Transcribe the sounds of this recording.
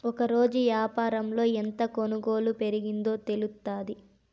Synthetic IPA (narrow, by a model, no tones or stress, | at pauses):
ɔkɐɾo̞ːd͡ʒuʋjaːpaːɾɐmlo̞ːent̪ɐkonuɡo̞ːlupe̞ɾiɡind̪o̞ːt̪e̞lut̪ːaːd̪i